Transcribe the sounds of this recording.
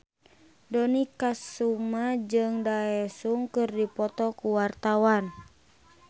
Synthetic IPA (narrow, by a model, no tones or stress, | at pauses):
dɔnikasumad͡ʒɨŋdaɛsuŋkɨrdipɔt̪ɔkuwart̪awan